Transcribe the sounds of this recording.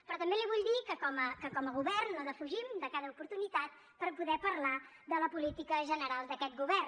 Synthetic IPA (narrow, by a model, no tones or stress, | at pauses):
pɾɔt̪əmbeliβuʎd̪ikəkɔməkəkɔməɣuβɛrnozəfuʒimd̪əkaðəupuɾt̪unit̪at̪̚ | pəɾpuðɛpəɾla | d̪ələpulit̪ikəʒənəɾalˠd̪əkɛt̪ɡuβɛr